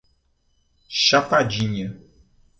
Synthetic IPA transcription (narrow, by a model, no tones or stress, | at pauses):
ʃafad͡ʒiɲɛ̃